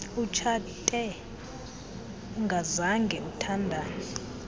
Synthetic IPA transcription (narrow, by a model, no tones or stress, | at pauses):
ut͡ʃʰatʼɛ | uŋɡʱazaŋɡʱɛutʰandʱaːnɛ